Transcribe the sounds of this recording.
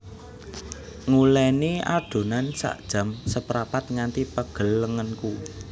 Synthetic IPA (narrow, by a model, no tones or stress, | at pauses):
ŋulɛniad̥o̤nansa̰ʔd̥ʒ̥ä̤msəpɾapat̪̚ŋant̪ipəɡ̥ə̤lːəŋənku